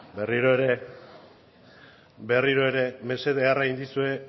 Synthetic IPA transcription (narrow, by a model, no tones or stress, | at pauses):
be̞riɾo̞e̞ɾe̞ | be̞riɾo̞e̞ɾe̞me̞se̞ðearaind̪isue̞